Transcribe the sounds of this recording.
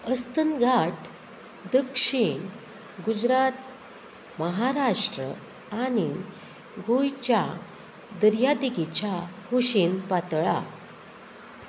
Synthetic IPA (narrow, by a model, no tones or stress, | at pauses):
əst̪ənɡʱaʈ | d̪əkʂiɳ | ɡud͡ʑɾat̪ | məɦaɾaʂʈɾə̰ | aɽ̃i | ɡojt͡ɕja | d̪əɾjad̪iɡit͡ɕahuɕinpat̪ɭa̰